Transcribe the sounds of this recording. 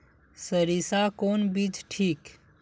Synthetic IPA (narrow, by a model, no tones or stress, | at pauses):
səɾisakoːnbiːt͡ʃʈʰiːk